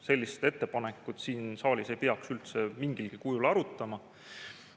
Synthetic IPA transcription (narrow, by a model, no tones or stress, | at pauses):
se̞lʲːist̪e̞t̪ːe̞pɑne̞kːˑut̪siːnsɑːlʲise̞jpeɑksylt̪se̞miŋɡ̥ilɡ̥ikujulɑɾut̪ˑːɑmɑ